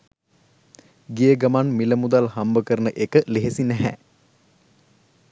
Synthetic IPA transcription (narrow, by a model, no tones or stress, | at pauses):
ɡijəɡamanmiləmud̪alhambəkəɾənəʔekəleɦesinæɦæ̰